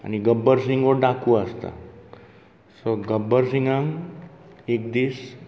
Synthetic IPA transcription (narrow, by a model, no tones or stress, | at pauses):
a̰niɡəbəɾsiŋɡʋəɾɖakʰuəst̪a̰ | soɡəbːəɾsiŋɡãŋ | ekd̪iːs